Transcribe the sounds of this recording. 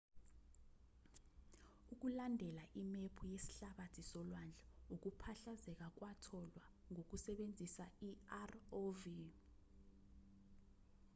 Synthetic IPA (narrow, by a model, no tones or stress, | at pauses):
uk̬ulandʱɛlaʔimepʰujesi̥ɬaɓatʰisɔlwand͡ɮʱauk̬upʰaɬazɛk̬ak̬watʰɔlwa | ŋok̬usɛɓend͡zʱisaiarovi